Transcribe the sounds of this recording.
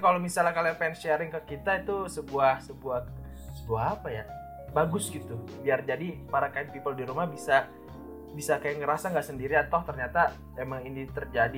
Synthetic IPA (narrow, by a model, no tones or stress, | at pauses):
kalomisalakalapɛnst͡ʃɛɾɪŋkəkit̪ait̪usəbuahsəbuah | səbuaɦapaja | baɡʊsɡit̪ubiard͡ʒadipaɾakaatpipəldiɾumahbisa | bisakajaŋəɾasaŋɡaʔsəndiɾiat̪aht̪ərɲat̪a | memaŋinit̪ərd͡ʒadi